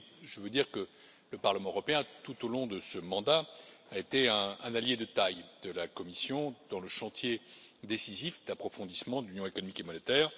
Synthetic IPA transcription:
ʒəvød̪iʁkə | ləpaʁləmɑ̃øʁɔpeɛ̃t̪ut̪olɔ̃d̪əsəmɑ̃d̪a | aet̪eɛ̃ɛ̃naljed̪ət̪ajd̪̥əlakɔmisjɔ̃d̪̥ɑ̃ləʃɑ̃t̪jed̪esizifd̪apχɔfɔ̃d̪ismɑ̃d̪əlynjɔ̃ekɔnɔmikemɔnet̪ɛːʁ

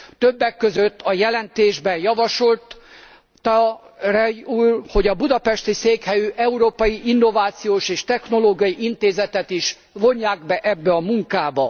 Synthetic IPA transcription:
t̪øbːɛkːøzøt̪ːɒjɛlɛnt̪eːʒbɛnjɒvɒʃo̞lt̪ | ɒrɛuːlho̞ɟɒbud̪ɒpɛʃt̪iseːkhɛjyʔɛuɾoːpɒjiʔinːo̞vaːt̪sijoːʃeːʃt̪ɛxno̞loːɡijɒjiʔint̪eːzɛt̪ɛt̪iʃ | vo̞ɲːaːɡbɛʔɛbːɛɒmuŋkaːbɒ

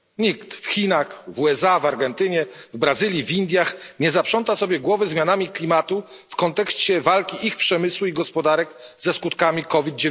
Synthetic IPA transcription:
ɲikt̪fxʲinaxvuɛsavaɾɡɛnt̪ɘɲɛvbɾazɘlʲjivʲind̪ʲjaxɲɛzapʂɔnt̪asɔbʲjɛɡwɔvɘzmʲjanamʲiklʲimat̪u | fkɔnt̪ɛkɕt͡ɕɛvalkʲiʔixpʂɛmɘswuiɡɔspɔd̪aɾɛkzɛskut̪kamʲikɔvʲid̪̚d͡ʑe

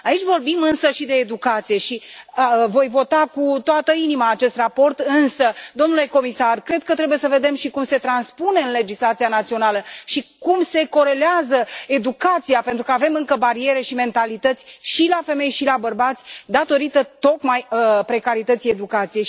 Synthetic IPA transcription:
ait͡ʃʲvo̞rbimɨnsəʃid̪e̞ːd̪ukat̪sije̞ʃi | vo̞jvo̞t̪akut̪oat̪əinimaːt͡ʃe̞st̪rapo̞rt̪ɨnsəd̪o̞mnule̞ko̞misarkɾe̞d̪̚kət̪ɾe̞buje̞səve̞d̪e̞mʃikumse̞t̪ɾanspune̞ɨnle̞d͡ʒislat̪sijanat̪sio̞naləʃikumse̞ko̞ɾe̞leazəe̞d̪ukat̪sijape̞nt̪ɾukəave̞mɨŋkəbaɾie̞ɾe̞ʃime̞nt̪alit̪ət̪sʲʃilafe̞me̞jʃilabərbat̪sʲd̪at̪o̞ɾit̪ət̪o̞kmajpɾe̞kaɾit̪ət̪sije̞d̪ukat̪sije̞j

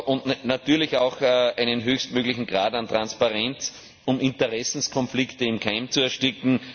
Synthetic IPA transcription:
ʔʊ̃ndnat̪yːɐlɪçaʊxæɪnənɦøːçstmøːɡlɪçŋ̩ɡ̥ʁaːdant̪ʁãnspaʁɛnt͡s | ʊmɪ̃ntəʁɛsn̩skʰɔnflɪktəɪmkʰaɪmt͡suɛɐʃtɪkŋ̩

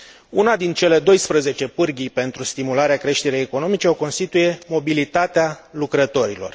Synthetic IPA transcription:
unad̪int͡ʃe̞le̞d̪o̞jspɾəze̞t͡ʃe̞pɨrɡʲipe̞nt̪ɾust̪imulaɾeakɾe̞ʃt̪e̞ɾejeko̞no̞mit͡ʃe̞o̞ko̞nst̪it̪uje̞mo̞bilit̪at̪ealukɾət̪o̞ɾilo̞̰r

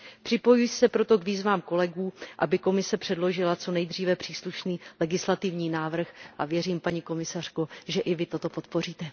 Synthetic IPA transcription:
pr̝̥ɪpo̞jujsɛpɾo̞t̪o̞ɡviːzvaːmko̞lɛɡuːʔabɪko̞mɪsɛpr̥ɛdlo̞ʒɪlat͡so̞nɛjd̪r̝iːvɛpr̥iːsluʃniːlɛɡɪslat̪ɪvɲiːnaːvr̩xʔavjɛriːmpaɲiko̞mɪsar̥koʒɛʔɪvɪt̪o̞t̪o̞po̞t̪po̞riːt̪ɛ

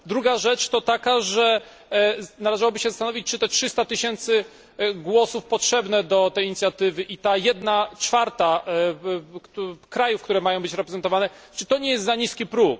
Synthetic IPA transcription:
d̪ɾuɡaʐɛt͡ʂt̪ɔt̪akaʐɛ | nalɛʐawɔbɘɕɛzast̪anɔvʲit͡ɕt͡ʂɨt̪ɛtʂɘst̪at̪ɘɕɛnt̪sɘ | ɡwɔsufpɔtʂɛbnɛd̪ɔt̪ɛjiɲit̪sʲjat̪ɘvɘʔit̪ajɛd̪nat͡ʂfaɾt̪a | kt̪ukɾajufkt̪uɾɛmajɔ̃w̃bɘt͡ɕɾɛpɾɛzɛnt̪ɔvanɛt͡ʂɘt̪ɔɲɛjɛst̪zaɲiskʲipɾuk̚

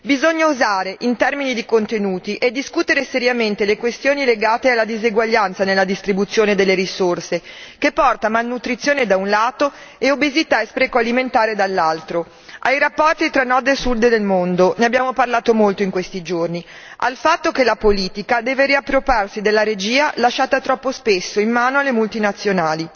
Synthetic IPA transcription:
bizoɲːauzaːɾeʔint̪ɛrminid̪ikont̪enuːt̪iʔed̪ːiskut̪eɾeseɾjament̪elekwest̪joːnileɡaːt̪ealːad̪iziɡwaʎːant̪sanelːad̪ist̪ɾibut̪sːjoːned̪elːeɾisorsekepːɔrt̪amalnut̪ɾit̪sːjoːned̪aunlaːt̪oeobezit̪aespɾɛːkoaliment̪aːɾed̪alːalt̪ɾo | ʔajrapːɔrt̪it̪ɾanːɔd̪esud̪ed̪elmond̪oneabːjaːmoparlaːt̪omolt̪oiŋkwest̪id͡ʒorni | a̰lfat̪ːokelapoliːt̪ikad̪ɛːveɾiapːɾoparsid̪elːaɾed͡ʒiːalaʃːaːt̪at̪ɾɔpːospesːoimːaːnoalːemult̪inat̪sːjonaːli

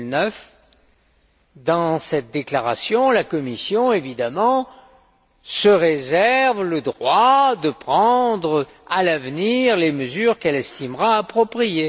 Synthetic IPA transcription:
nœf | d̪ɑ̃sɛt̪̚d̪eklaʁasjɔ̃lakɔmisjɔ̃evid̪amɑ̃ | səʁezɛʁvləd̪ʁwad̪əpχɑ̃d̪ʁə | alavniʁleməzyʁkɛlɛst̪imʁaːpχɔpχije

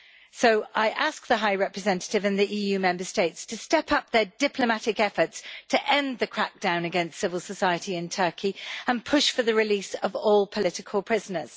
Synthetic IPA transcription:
soʊʔaɪʔɑˑsk̚ðəɦaɪɹɛpɹɨzɛ̃ntə̥tɪvɨ̃nðiʔiːjʉːmɛ̃mbəsteɪtstʰəstɛpʰʌp̚ðədɪpʰləmatɪkɛfətstʰəʔɛ̃nðəkʰɹ̥ak̚d̥ãʊ̃nəɡɛ̃nstsɪvəlˠsəsaɪətʰiɪ̃ntʰɜˑkʰiə̃npʰʊʃfəðəɹɪliˑsəvɔːlˠpʰəlɪtɪkʰəlˠpʰɹ̥ɪzənəz̥

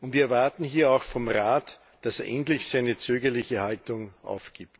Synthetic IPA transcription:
ʊntviːɐɛɐvaɐtn̩ɦiːɐaʊxfɔmʁaːt | d̥aseːɐʔɛntlɪçsaɪnət͡søːɡɐlɪçəhaltʊŋʔa̰ʊfɡ̥iːp̚t

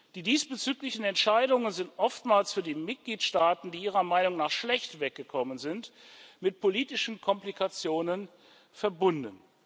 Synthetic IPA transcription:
d̥iːdiːsb̥ət͡syːklɪçn̩ɛntʃaɪdʊŋənzɪntʔɔftmaːlsfyːɐdiːmɪt̚ɡ̥liːtʃtaːtn̩diːʔiːʁ̞ɐmaɪnʊŋnaːχʃlɛçtvɛk̚ɡ̥əkʰɔmənzɪntmɪt̚pʰoliːtɪʃn̩kʰɔmplikʰat͡sjoːnən | fɛɐbʊndn̩

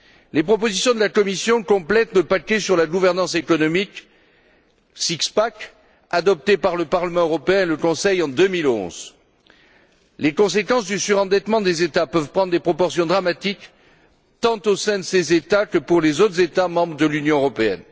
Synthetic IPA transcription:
lepχɔpozisjɔ̃d̪əlakɔmisjɔ̃kɔ̃plɛt̪ləpakɛsyʁlaɡuvɛʁnɑ̃sekɔnɔmik | sikspak | ad̪ɔp̚t̪epaʁləpaʁləmɑ̃øʁɔpeɛ̃eləkɔ̃sɛjɑ̃d̪ømilɔ̰̃z | lekɔ̃sekɑ̃sd̪ysyʁɑ̃d̪ɛt̪mɑ̃d̪ezet̪apœvpχɑ̃d̪ʁd̪epχɔpɔʁsjɔ̃d̪ʁamat̪ik | t̪ɑ̃t̪osɛ̃d̪əsezet̪akəpuʁlezot̪χəzet̪amɑ̃bʁəd̪əlynjɔ̃øʁɔpeɛ̰n

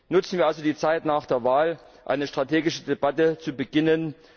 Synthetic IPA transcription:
nʊt͡sn̩viːɐʔalzodiːt͡saɪtnaːχd̥eːɐvaːl | ʔa̰ɪnəʃtʁ̥atʰeːɡɪʃədebatət͡subəɡɪnən

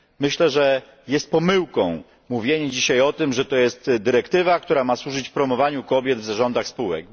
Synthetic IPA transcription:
mɘɕlɛʐɛ | jɛst̪̚pɔmɘwkɔ̃w̃ | muvʲjeɲɛd͡ʑiɕajɔt̪ɘmʐɛt̪ɔjɛst̪d̪ɘɾɛkt̪ɘvakt̪uɾamaswuʐɘt͡ɕfpɾɔmɔvaɲukɔbʲjɛd̪vzaʐɔnd̪axspuwɛ̰k̚

